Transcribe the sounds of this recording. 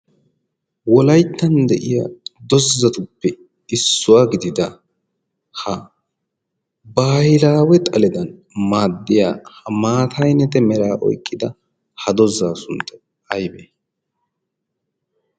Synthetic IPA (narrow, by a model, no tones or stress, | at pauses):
wɔlɐjt̪ːɐnd̪ɛʔɪja̰d̪ɔzːɐt̪ʊpːɛ | ɪsːʊwaɡɪd̪ɪd̪ɐ | hɐ | baːjɪlaːwɛt̪ʼɐlɛd̪ɐn | maːd̪ːɪja̰ːhɐmaːt̪ʰɐjnɛt̪ɛmɛɾaːʔɔ̰jkʼːɪd̪ɐ | hɐd̪ɔzaːsʊnt̪ːɐ | ɐjbe